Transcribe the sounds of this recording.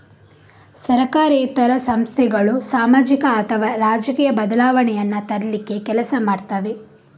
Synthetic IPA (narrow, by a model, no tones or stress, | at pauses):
sɐɾɐkaːɾeːt̪ːɐɾɐsɐmst̪ʰɛɡɐɭusaːmaːd͡ʒikɐːt̪ʰɐʋaɾaːd͡ʒɐkiːjɐbɐd̪ɐlaːʋɐɳɛjɐnːɐt̪ɐɾɐlikːe̞kɛlɐsɐmaːɖt̪aːʋe̞